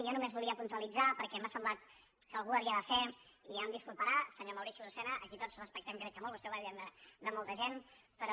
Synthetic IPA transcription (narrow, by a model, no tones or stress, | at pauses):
ʒanumezβuliəpunt̪uəlid͡zapəɾkɛɛməsəmblat̪ | kəːlˠɣuəβiəðəfɛ | liamd̪iskulˠpəɾasəɲoməwɾiʃilusɛnəʔəkit̪od͡zrəspəkt̪ɛmkɾɛt̪̚k̪əmɔlˠβust̪ɛβaiɛmd̪əd̪əmɔlˠt̪əʒen | pəɾɔ